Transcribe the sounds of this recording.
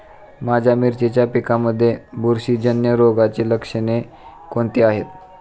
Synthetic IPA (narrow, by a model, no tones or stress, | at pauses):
mad͡ʑʱamiɾt͡ɕet͡ɕjapikaməd̪ʱːjebuɾɕiːd͡ʑənjəɾoɡat͡ɕeləkʂəne | koɳt̪eaɦet̪